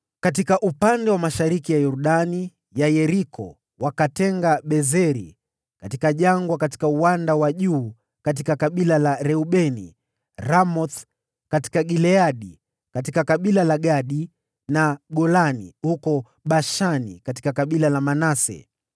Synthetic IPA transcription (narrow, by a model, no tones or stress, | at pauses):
katikaʔupandɛwamaʃaɾikijajɔɾuɗani | jajɛɾikʰɔ̰ | wakatɛŋɡaɓɛzɛɾi | katikaʄaŋɡwakati̥kauwandawaʄuː | kat̬ikakaɓilalaɾɛuɓɛnḭ | ɾamɔθ | kati̥kaɡilɛaɗi | katikakaɓilalaɠaɗi | naɡɔlanḭhukɔ | ɓaʃanḭkati̥kakaɓilalamanasɛ̰